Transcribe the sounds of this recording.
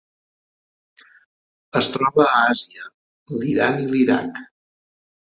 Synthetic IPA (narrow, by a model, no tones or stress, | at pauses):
əst̪ɾɔβəːaziə | liɾaniliɾa̰k